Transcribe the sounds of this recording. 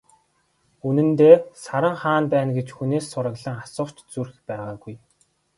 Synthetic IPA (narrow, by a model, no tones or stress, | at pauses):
unɘ̆nt̪eːsaɾə̆ŋχaːnpæːnɡet͡ɕxuneːsːʊɾə̆ɣɮə̆ŋasʊ̥ːt͡ɕt͡surxpæːʁaːɡuj